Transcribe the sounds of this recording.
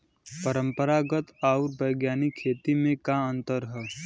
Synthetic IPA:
pəɾə̃mpəɾaɡət̪aʊɾbəjɡjaːnikʰːeːt̪imẽkaə̃nt̪əɾɦɛː

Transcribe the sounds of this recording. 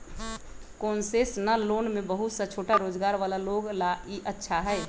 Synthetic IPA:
koːnsesnəlonmebəɦut̪sət͡ʃʰoːʈaɾoːd͡ʒɡaːɾʋalaloɡlaiʔətːʃʰaɦɛɛ

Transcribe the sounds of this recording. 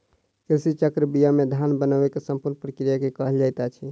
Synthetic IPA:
kilsit͡ʃəkɾəbijamed̪ʱanbənəbekesəmpuɾnpɾəkɾijakekəɦəld͡ʒajt̪at͡ʃʰi

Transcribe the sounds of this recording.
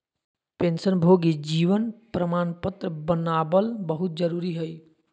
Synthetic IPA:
pẽːnsənbʱoɡid͡ʒiːʋənpɾəmaːnpət̪ɾəbənaːbəlbəɦʊt̪̚d͡ʒəɾuːɾiɦəi

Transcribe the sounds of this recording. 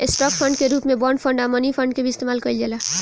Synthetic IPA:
esʈɔk̚pʰə̃ɳɖkeɾuːpmẽbɔːɳɖpʰə̃ɳɖamənipʰə̃ɳɖ̚kebʱiɪst̪eːmaːlkəild͡ʒela

